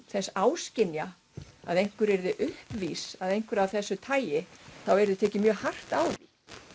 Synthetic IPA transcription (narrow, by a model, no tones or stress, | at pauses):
θɛsːaːwscɪnja | a̰ðejŋ̥kvʏɾɛɾðɪʔʏhpviːsaðejnŋ̥kvʏɾawθɛsːʏt̪ʰaːjɪθawɛɾɪðʏt̪ʰɛːcɪmjœːɣhar̥t̪aːwði